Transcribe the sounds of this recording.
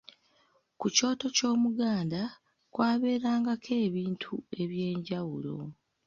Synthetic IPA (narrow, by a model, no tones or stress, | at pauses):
kuco̞ːto̞co̞ːmuɡaːnda | kwaːβe̞ːɾaːŋɡakʰe̞ːβiːntʰue̞βje̞ːɲɟawulo̞̰